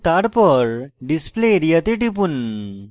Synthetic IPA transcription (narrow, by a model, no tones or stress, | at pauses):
t̪aɽpəɾɖispleɾijət̪eʈipun